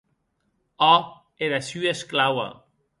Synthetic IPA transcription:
ɔ | eðasyesklawa̰

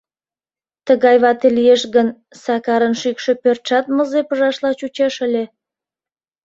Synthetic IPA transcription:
t̪əɣɑjβɑt̪elijeʃɣən | sɑkɑɾənʃykʃe̽pørt̪ʃɑt̪̚məzepəʒɑʃlɑt͡ɕut͡ɕeʃəlʲe

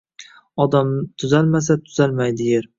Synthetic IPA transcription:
ɒd̪amt̪ʰʊzalmas̬at̪ʰʊ̥z̥almajd̪ɪjeɾ

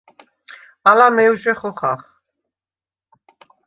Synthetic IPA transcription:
alamɛuʒɛχɔχa̰χ

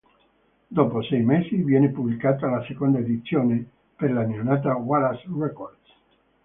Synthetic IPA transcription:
d̪ɔːposɛjmesivjɛːnepublikaːt̪alasekond̪aed̪it̪sːjoːne | peɾlanionat̪̬awaɾasrɛkord̪s

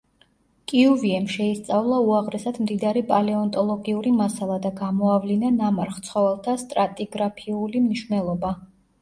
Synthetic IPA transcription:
kʼiuviɛmʃɛist̪sʼavlˠauaʁɾɛsad̪md̪id̪aɾipʼalɛɔnt̪ʼɔlˠɔɡiuɾimasalˠad̪aɡamɔavlinanamaɾχt̪sʰχɔvɛlˠt̪ʰast̪ʼɾat̪ʼiɡɾapʰiulimniʃwnɛlˠɔba

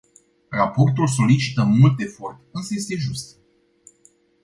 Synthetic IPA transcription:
rapo̞rt̪uls̬o̞lit͡ʃi̥t̪əmult̪e̞fo̞rt̪ɨnsəje̞st̪e̞ʒust̪

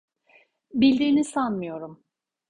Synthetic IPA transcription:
bilʲd̪iɾinisanmɯjo̞ɾum

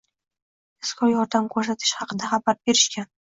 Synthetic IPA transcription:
ɪskʰɒjɒɾd̪amkʰɵɾs̬at̪ʰɪʃχɑqɨd̪aχabaɾbe̞ɾɪʃkʲan

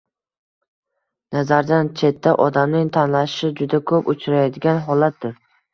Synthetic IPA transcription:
nazaɾd̪ant͡ʃʰe̞t̪ʰːaʔɒd̪amnɪŋt̪ʰanlaʃɪ̥ʃɪd͡ʒʊd̪akʰɵpʊt͡ʃʰɾajad̪ɪɡʲanɦɒlat̪̚d̪ɪɾ

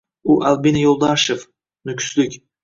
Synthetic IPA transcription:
uʔælˠbinajolˠd̪ɑʃef | nʏkʰʲʏ̥slɪkʲ

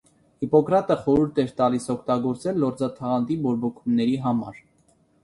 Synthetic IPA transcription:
hipɔkɾɑt̪əχɔɾuɾt̪ɛɾt̪ɑlisɔkʰt̪ɑɡɔɾt͡sɛlːɔɾd͡zɑt̪ʰɑʁɑnt̪ibɔɾbɔkʰumnɛɾiɦɑmɑ̰ɾ

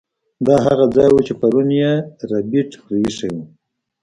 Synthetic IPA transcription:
d̪ɑɦaɣad͡zɑjwut͡ʃepaɾunjeɾabiʈxɾiiʂawi

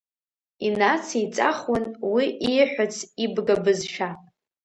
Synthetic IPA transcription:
inat͡sʰit͡sʼaχwʊnwiʔiħᶣʷat͡sʰibɡabɨzʃᶣa

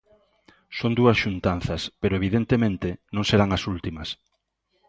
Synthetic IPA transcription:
sond̪uɐsʃunt̪an̟θɐspeɾoeβ̞iðent̪emẽnt̪enõŋseɾaŋɐsult̪imɐs

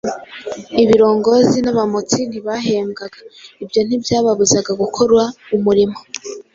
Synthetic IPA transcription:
iβiɾo̞ːŋɡo̞zinaβamot͡sin̥iβaɦeːmɡaɡaibjo̞n̥ibjaːβaβuzaɡaɡukʰo̞ɾwaumuɾimo̞

